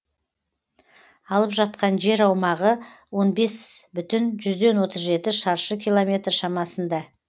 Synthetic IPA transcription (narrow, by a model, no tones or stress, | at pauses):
ɑlˠəpʒɑt̪̚qɑnʒe̞ɾɑwmɑʁəwo̞nbe̞sbʏt̪ɪnʒʏzd̪e̞nwo̞t̪əzʒe̞t̪ɪʃɑɾʃəkʲʰijlˠo̞mʲe̞t̪rʃɑmɑsənd̪ɑ